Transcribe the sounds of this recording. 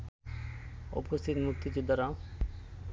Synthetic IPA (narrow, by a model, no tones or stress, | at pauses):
o̰post̪ʰit̪muk̚t̪id͡ʑud̪ːaɾa